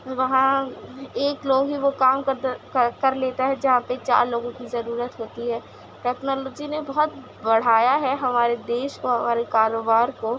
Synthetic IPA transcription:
ʋɐɦã | eːkloːɡɦiʋokaːmkɐkɐɾleːt̪aɦɛd͡ʒɐɦãpet͡ʃa̰ːɾloːɡõkizɐɾuːɾət̪ɦoːt̪iɦɛː | ʈɛːknɔːloːd͡ʒinebɐɦɔt̪̚ | bɐɽ̤aːjaɦɛɦɐmaːɾed̪eːʃkoɦɐmaːɾekaːɾoːbaːɾko

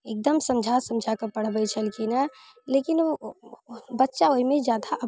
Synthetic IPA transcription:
eːk̚d̪əmsɐ̃md͡ʒʱasɐ̃md͡ʒʱakɐpɐɽ̤bəit͡ʃʰəlkina | leːkɪno | bɐtːʃaoimẽd͡ʒjaːd̪aʔɐ

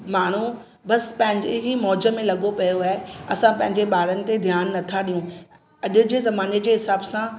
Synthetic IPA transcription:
maːɳ̤u | bɐspɐ̃ɦɪ̃ɲd͡ʑeɦimɔːd͡ʑə̆mẽlɐɠopɐjoaːɦeɐsãpɐ̃ɦɪ̃ɲd͡ʑeɓaːɾənɪ̆t̪ed̪ʱjaːnːɐt̪ʰaɗijũ | ɐʄʊ̆d͡ʑeːzɐmaːned͡ʑeːɦɪsaːbsã

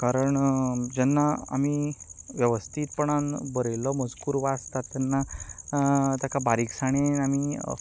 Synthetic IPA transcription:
kaɾəɳd͡ʑɛnːaa̰miʋjəʋəst̪ʰiːt̪̚pəɳanbəɾəjlɔməd͡zkuːɾʋast̪at̪ːanːa | t̪jakabaɾiksaɽ̃eami

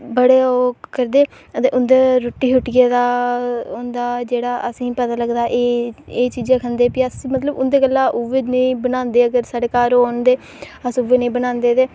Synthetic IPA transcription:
bəɽeːoːkəɾd̪eː | ət̪eːʔʊnd̪eːɾʊʈːiːɦʊʈːɪjeːd̪aːɦond̪aːd͡ʒeːɽaːʔəsĩːpət̪aːləɡd̪aːʔeeːt͡ʃiːd͡ʒãːkʰənd̪eːpiəsimət̪ləbʊnd̪eːkəlːãːʔʊʋeːnəĩːbənãːnd̪eːəɡəɾsaːɽeːkaːɾooːnd̪eː | əsʊʋːeːnəĩːbənãːnd̪eːt̪eː

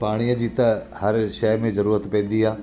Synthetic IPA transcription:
paːɽ̃iəd͡ʑiːt̪ɐhɐɾʃɐɦmẽzɐɾuːɾət̪pɛ̃ːn̆d̪iɦaː

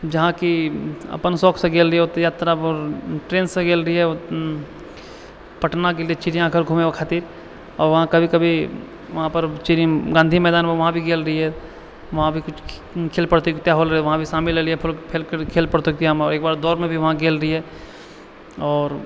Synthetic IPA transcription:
d͡ʒɐɦãkiɐ̰pənsɔːkʰsẽɡeːlɾəiot̪jaːt̪ɾaɔːɾʈɾeːnsẽɡeːlɾəɦiɦɛ | pəʈnakeːliɛt͡ʃɪɾijãkʰəɾɡʱuːmewakʰaːt̪iːɾ | ɔːɾʋɐɦãkɐbʱikɐbʱi | ʋɐɦãpəɾt͡ʃiɾɡãnd̪ʱimɛːd̪aːnmẽʋɐɦãbʱiɡeːlɾəɦiɦɛ | ʋɐɦãbʱikʊt͡ʃʰkʰeːlpəɽt̪ekit̪jaɦoːlɾəʋɐɦãbʱisaːmɪlːeɾiɦɛpʰʊlpʰelkkʰeːlpəɽt̪ukiamɔːɾeːkbaːɾd̪ɔːɾmẽbʱiʋɐɦãɡeːlɾəɦiɦɛ | ɔːɾ

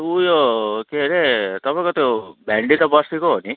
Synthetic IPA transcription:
ujokeɦɾet̪ʌpaĩkot̪jobʱaɳɖit̪ʌbʌsikoɦoni

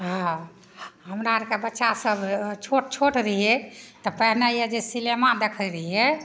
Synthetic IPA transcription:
ɦã | ɦəmɾaɾkebətːʃasəbt͡ʃʰoʈ̚t͡ʃʰoʈɾəiɛt̪ɔpəɦnejed͡ʒesilemad̪ekʰəɾəɦiɛ

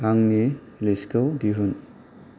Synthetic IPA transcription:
aŋne | liskawdiɦun

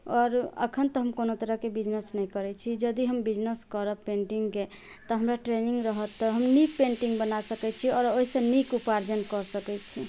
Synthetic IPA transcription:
ɔɾə̰kʰənt̪ɔɦəmkonot̪əɾəɦkebid͡ʒnəsnɛjkəɾɛt͡ʃʰid͡ʒəd̪iɦəmbid͡ʒnəskəɾəpeɳʈiŋɡke | t̪ɔɦəmɾaʈɾeniŋɡɾəɦət̪ːɔɦəmnik̚pẽɳʈiŋɡbənasəkɛt͡ʃʰiɔɾoɦisə̃nikupaɾd͡ʒənkɔɾsəkɛt͡ʃʰi

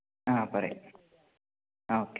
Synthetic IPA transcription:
apɐɾḛ | oːk

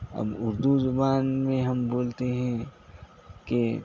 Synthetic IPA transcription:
ɐ̰bʊɾd̪uzʊbaːnmẽɦɐmboːlt̪eɦɛ̃ | ke

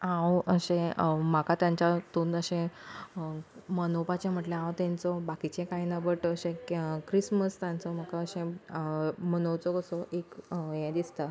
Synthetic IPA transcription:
ãwəɕẽm̤akat̪jãɲt͡ɕat̪unəɕẽ | mənopat͡ɕem̤əʈlẽãwt̪ɛ̃nt͡sɔbakit͡ɕẽkainabəʈəɕẽkɾisməst̪jãnt͡sɔm̤akaəɕẽ | mənowt͡sɔkəsɔʔekjɛ̃d̪ist̪a

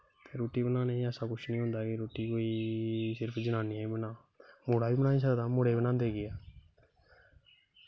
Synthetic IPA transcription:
t̪eːɾoːʈiːbənaːneĩəsãːkʊʃʰnĩːɦʊ̃nd̪aːkɪɾoːʈiːkoːiːsɪɾpʰd͡ʒənãːniːbənãː | moːɽaːbiːbənãːĩːs̬əd̪ãːmoɽeːbənãːnd̪eːɡɪjaː

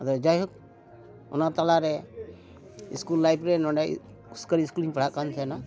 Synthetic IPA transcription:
əd̪ɔd͡ʒajɦuk̚ | ɔ̰nat̪alaɾɛ | iskulːajpɾɛnɔ̃ɳɖa̰ | uskəɾiːskuliŋpəɽaʔkansʰɛna

